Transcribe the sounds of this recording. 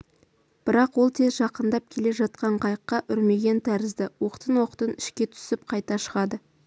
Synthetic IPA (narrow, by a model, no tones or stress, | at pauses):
b̥ɪɾɑqwo̞lˠt̪ʰe̞zʒɑqənd̪ɑp̚kʲʰe̞le̞ʒɑt̪̚qɑɴqʰɑjəqːɑʔʏɾme̞ɡʲe̞nt̪ʰæɾɪzd̪ɪwo̞qə̥t̪ənwo̞qə̥t̪ənɪʃkʲe̞t̪ʰʏ̥sɪp̚qʰɑjt̪ɑʃəʁɑd̪ə